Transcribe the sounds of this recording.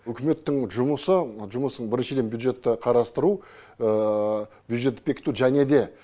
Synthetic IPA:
ɵkʲɪme̞t̪ːɪŋʒʊməsəʒʊməsəɴbɪɾɪnʃɪd̪e̞mbjud̪ʒe̞t̪ːɪqʰɑɾɑst̪əɾuəbjud̪ʒe̞t̪ːɪbe̞kʲɪ̥t̪uʒæne̞d̪e̞

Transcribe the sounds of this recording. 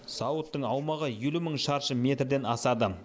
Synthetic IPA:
sɑwət̪ːəɴɑwmɑʁəjeluməɴʃɑɾʃəme̞t̪rd̪e̞nɑsɑd̪ə

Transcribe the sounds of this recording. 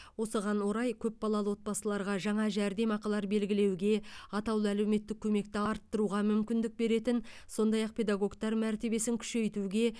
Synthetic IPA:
wo̞səʁɑnwo̞ɾɑjkʲʰɵp̚bɑlˠɑlˠəwo̞t̪̚bɑsəlˠɑɾʁɑʒɑɴɑʒæɾd̪e̞mɑqɑlˠɑɾbe̞lɡʲɪle̞wɡʲe̞ɑt̪ɑwlˠəæle̞wme̞t̪ːɪkʲʰːɵme̞kt̪ɪɑɾt̪ːəɾuʁɑmʏmkʲɪnd̪ɪk̚be̞ɾe̞t̪ɪnso̞nd̪ɑjɑq̚pʰʲe̞d̪aɡo̞ɡt̪ɑɾmæɾt̪e̞be̞sɪŋkʲʰʏ̥ʃe̞jt̪uɡʲe̞

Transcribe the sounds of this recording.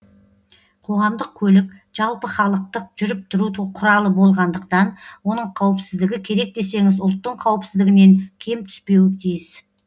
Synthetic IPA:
qʰo̞ʁɑmd̪əq̚kʲʰɵlɪk̚ʒ̥ɑlˠpəχɑlˠəq̚t̪əq̚ʒ̥ʏɾɪp̚t̪ʰʊɾut̪qʰʊɾɑlˠəbo̞lˠʁɑnd̪əq̚t̪ɑnwo̞nəɴqʰɑwəpsɪzd̪ɪɡʲɪkʲʰe̞ɾe̞k̚d̪e̞se̞ŋɪzʊlˠt̪ːəɴqʰɑwəpsɪzd̪ɪɡʲɪne̞ŋkʲʰe̞mt̪ʰʏ̥spe̞wɪt̪ʰijɪz̥

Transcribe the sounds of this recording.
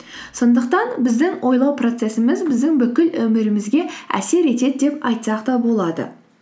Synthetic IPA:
so̞nd̪əqt̪ɑnbɪzd̪ɪŋwʔo̞jlˠɑwpro̞t̪se̞sɪmɪzbɪzd̪ɪŋbʏkʲɪlʔɵmɪɾɪmɪzɡʲe̞æ̰se̞ɾe̞t̪e̞d̪d̪e̞pɑjt̪sɑqt̪ɑbo̞lˠɑd̪ə̰

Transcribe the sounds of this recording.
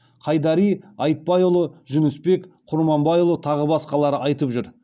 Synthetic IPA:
qʰɑjd̪ɑɾijɑjt̪̚pɑjʊlˠəʒʏnɪspe̞kqʰʊɾmɑmbɑjolˠət̪ʰɑʁəbɑsqɑlˠɑɾəɑjt̪əpʒʏɾ

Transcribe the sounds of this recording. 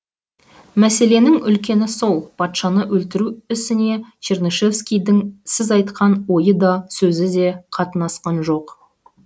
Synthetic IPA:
mæse̞le̞nɪŋʏ̰lkʲe̞nɪso̞lˠpʰɑt̪ʃɑnəwʔɵlt̪ɪɾuʏsɪne̞t͡ʃerneʃe̞fskʲijd̪ɪŋsɪzɑjt̪qʰɑnwo̞jəd̪ɑsɵzɪd̪e̞qʰɑt̪ənɑsqɑnʒo̞q

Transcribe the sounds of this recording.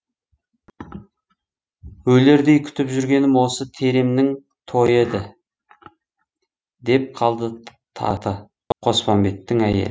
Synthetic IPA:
wɵle̞ɾd̪e̞jkʲʰʏ̥t̪ɪpʒʏɾɡʲe̞nɪmwo̞sət̪ʰe̞ɾemnɪŋ | t̪ʰo̞je̞d̪ɪ | d̪e̞p̚qʰɑlˠd̪ət̪ʰɑ̰t̪ə | qʰo̞spɑmbe̞t̪ːɪŋæjḛlɪ

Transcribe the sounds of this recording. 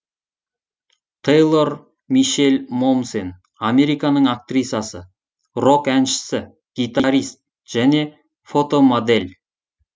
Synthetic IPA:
t̪ʰejlˠo̞r | miʃe̞lʲmomsen | ame̞ɾijkanəɴak̚t̪rʲisɑsə̰ | ro̞kænʃɪ̥sɪ | ɡ̥ʲijt̪aɾʲist̪̚ | ʒ̥æne̞ | fo̞t̪o̞mod̪e̞lʲ

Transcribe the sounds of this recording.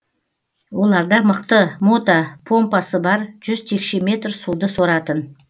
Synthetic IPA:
wo̞lˠɑɾd̪ɑməqt̪əmo̞t̪ɑpʰo̞mpɑsəbɑɾʒʏz̥t̪ʰe̞kʃemʲe̞t̪rsud̪əso̞ɾɑt̪ən

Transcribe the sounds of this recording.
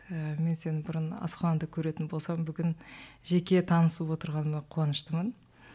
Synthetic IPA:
əme̞nse̞nɪbʊɾənɑ̰sqɑnɑd̪əkʲʰɵɾe̞t̪ɪnbo̞lˠsɑmbʏɡʲɪnʒe̞kʲe̞t̪ʰɑnəsəpwo̞t̪əɾʁɑnəmɑqʰuwɑnəʃt̪əmən

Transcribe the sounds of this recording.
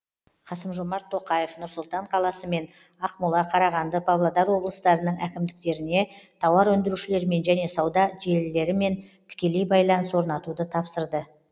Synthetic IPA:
qʰɑsəmʒomɑɾt̪ʰːo̞qɑjefnʊɾsʊlˠt̪ɑɴqʰɑlˠɑsəme̞n | ɑqmʊlˠɑqʰɑɾɑʁɑnd̪əpʰɑvlˠad̪ɑɾwo̞blˠəst̪ɑɾənəɴʔækʲɪmd̪ɪk̚t̪e̞ɾɪne̞t̪ʰɑwɑɾwɵnd̪ɪɾuʃɪle̞ɾɪme̞nʒæne̞sɑwd̪ɑʒe̞lle̞ɾɪme̞nt̪ʰɪ̥kʲe̞le̞jbɑjlˠɑnəswo̞ɾnɑt̪ud̪ət̪ʰɑpsəɾd̪ə

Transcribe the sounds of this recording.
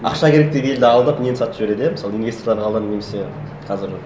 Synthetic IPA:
ɑ̰qʃɑkʲʰe̞ɾe̞k̚d̪eɡʲeld̪ɪɑlˠd̪əpnensɑt̪ə̥ʒʏɾe̞d̪jeməsɑlˠəinvʲest̪rlˠɑɾʁɑlˠəɾne̞mese | qʰɑzɪɾ

